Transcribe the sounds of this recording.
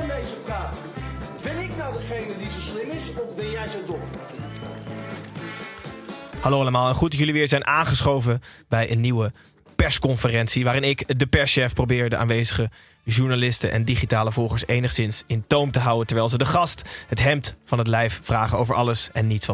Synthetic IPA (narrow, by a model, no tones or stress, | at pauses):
ndejzəpraːt | bɪnɪknɑwdəχejnədizowslɪmɪsɔfbɛnjɛjzowdɔ | hɑlowɑləmaːlˠɛnχutjɵliʋɪːɹzɛjnʔaːnχəsχowvəbɛjʔənːiwə | pɛskɔnfərɛnsiʋaːɾɪnɪkdəpɛsʃɛfprowbɪːɹdəʔa̰ːnʋejzəχə | ʒuɹnalɪstənʔɛ̰ndiχitaːləvɔlˠχəɹsejnəχsɪnsɪntowmtəɦʌwəntəɹʋɛɪlˠzədəχɑstɦətɦɛmtfɑnɦət̬lɛjffraːχənowvəɹʔɑ̰ləsɛnːitsfɑ